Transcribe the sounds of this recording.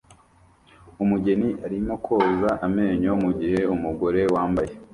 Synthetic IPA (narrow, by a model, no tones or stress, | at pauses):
umuɟe̞niʔaɾimo̞kʰoːzaʔame̞ːɲomuɟihe̞umuɡo̞ɾe̞waːmbaje